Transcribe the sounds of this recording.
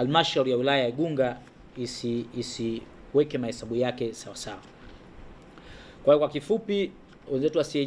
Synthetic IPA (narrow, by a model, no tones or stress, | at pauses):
almaʃauɾijawilajajaiɠuŋɡa | isiisi | wɛkɛmahɛsaɓujakɛsawasawa | kwaijɔkwakifupi | wɛnzɛtuwasiɛ